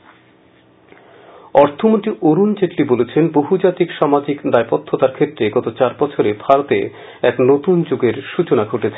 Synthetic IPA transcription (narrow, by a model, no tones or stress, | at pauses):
ɔɾt̪ʰomont̪ɾioɾunt͡ɕeʈlibolet͡ɕʰenboɦud͡ʑat̪ikʃamad͡ʑikd̪aepot̪ʰːot̪aɾkʰet̪ːɾeɡɔt̪ot͡ɕaɾbɔt͡ɕʰoɾebʱaɾot̪e | ɛknot̪und͡ʑoɡeɾʃut͡ɕonaɡʱoʈet͡ɕʰe